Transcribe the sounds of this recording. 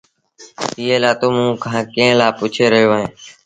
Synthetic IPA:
iːeːlaːt̪oːmũːkʰãːkẽːlaːpʊːt͡ʃʰeːɾəɦjoːɦẽː

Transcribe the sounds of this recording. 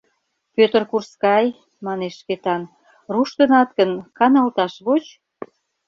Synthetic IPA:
pʲøt̪ərkurskɑj | mɑneʃːket̪ɑn | ruʃt̪ənɑt̪kənkɑnɑlt̪ɑʃβot͡ɕ

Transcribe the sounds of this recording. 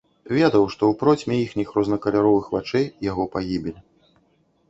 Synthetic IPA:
vʲɛd̪ɐwʂt̪ɔwpɾɔt͡sʲmʲɛjixnʲixɾɔznɐkɐlʲaɾɔvɨxvat͡ʂɛjjaɣɔpaɣʲibʲilʲi

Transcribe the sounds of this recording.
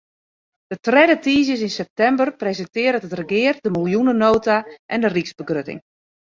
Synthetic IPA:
d̥ətrɛdətiːz̬jəs̬ɪnsɛp̚tɛmbərprezɛntɪəɾətətrəɡɪːrdəmilˠjunənoːtaʔɛndərikzbəɡrøtɪ̰ŋ

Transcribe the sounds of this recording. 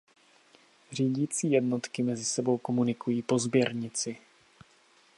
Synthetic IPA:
r̝iːɟiːt͡siːjɛdnot̪kɪmɛzɪsɛbo̞wko̞munɪkujiːpo̞zbjɛɾɲɪt͡sɪ

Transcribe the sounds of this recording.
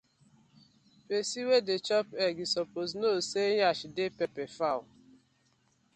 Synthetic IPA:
pesiwedet͡ʃɔpɛɡisɔpoznoseɲaʃidepepefaʊ

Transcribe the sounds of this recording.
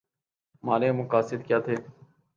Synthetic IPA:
maːleːmʊkaːsɪd̪kjaːt̪ʰeː

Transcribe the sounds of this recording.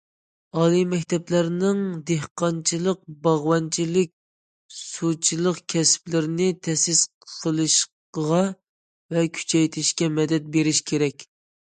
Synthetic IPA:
ɑːlˠimɛkʲt̪ʰɛplæɾnɪŋd̪ehqɑnt͡ʃʰilˠəq̚bɑʁwɑnt͡ʃʰilɪkʲ | sut͡ʃʰilˠəqkʲʰɛsplɪɾɪnɪt̪ʰɛsɪsqqʰəlˠɨʃ | əʁɑ | vɛkʲʰy̥t͡ʃʰɛjt̪ʰɪʃkʲɛmɛd̪ɛt̪̚beɾɪʃkʲʰeɾɛkʲ

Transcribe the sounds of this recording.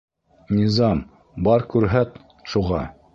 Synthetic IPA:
nʲizɑm | bɑɾkʉɾɦæt̪ | ʃuʁɑ

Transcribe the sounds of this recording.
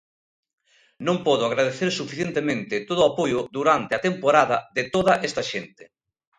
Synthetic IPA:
nõŋpɔðʊaɣɾaðeθeɾsufi̥θjẽnt̪emẽnt̪ɪt̪oðʊapojʊðuɾant̪eɪɐt̪empoɾaðɐðɪt̪oðɐʔɛst̪ɐʃent̪ɪ̥

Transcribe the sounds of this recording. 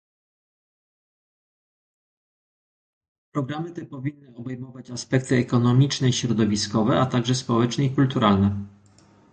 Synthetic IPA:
pɾɔɡɾamɘt̪ɛpɔvʲinːɘɔbɛjmɔvat͡ɕaspɛk̚t̪ɘɛkɔnɔmʲit͡ʂnɛiɕɾɔd̪ɔvʲiskɔvɛat̪aɡʐɛspɔwɛt͡ʂnɛikult̪uɾalnɛ

